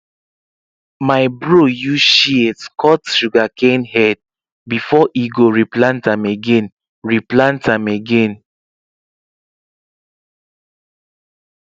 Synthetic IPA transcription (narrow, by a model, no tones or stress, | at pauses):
maɪbɹojuʃietkʰɔtʃuɡakʰẽnɦɛd̚ | bifɔʔiɡoɹiplãntãmeɡẽn | ɹiplãntãmeɡẽn